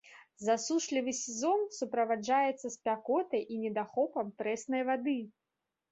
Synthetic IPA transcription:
zasuʂlʲivɨsʲɛzɔnsupɾɐvad͡ʐajɛt̪sːɐspʲakɔt̪ɐjʔinʲɛd̪axɔpɐmt̪ɾɛsnɐjvad̪ɨ

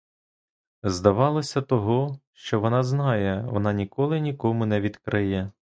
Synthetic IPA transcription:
zd̪ɐʋɑlˠɔsʲɐt̪ɔɦɔʃt͡ʃɔʋɔnɑznɑjɛʋɔ̰nɑnʲikɔlˠɪnʲikɔmʊnɛʋʲid̪kɾʔɪjɛ

